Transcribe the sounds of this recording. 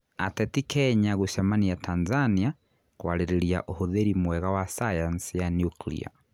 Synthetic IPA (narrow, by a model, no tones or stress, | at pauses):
atɛtikɛɲaɣuʃamanijatʰanzania | kwaleɾeɾja̰ʔohoðeɾimwɛɣawasajansijanjuklḭa̰